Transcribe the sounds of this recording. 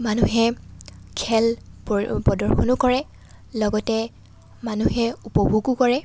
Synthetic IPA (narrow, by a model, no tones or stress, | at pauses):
manuɦɛkʰɛl | pɔdɔɹxʰɔnʊkɔɹɛ | lɔɡɔtɛ | manuɦɛupɔbʱuɡʊkɔɹɛ